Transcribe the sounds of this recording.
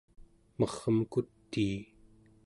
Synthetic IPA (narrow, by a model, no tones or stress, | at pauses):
mʌʁəmkut̪ːiː